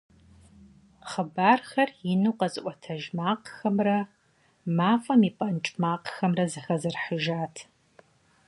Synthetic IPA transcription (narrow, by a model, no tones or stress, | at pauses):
χəbaːrxɐrjɪnuːqɐzʼɨʔʷʼɐtʰɐʒmaːqxɐmrɐ | maːfʼɐmipʼɐnt͡ʃʼmaːqxɐmrɐzɨxɐzɨrħəʒaːtʰ